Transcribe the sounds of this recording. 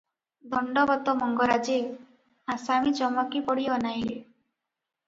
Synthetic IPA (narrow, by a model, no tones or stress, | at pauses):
d̪ʱɔɳɖɔbɔt̪ɔmɔŋɡɔɾad͡ʒe | asamid͡ʒɔmɔkipɔɽiɔːnajle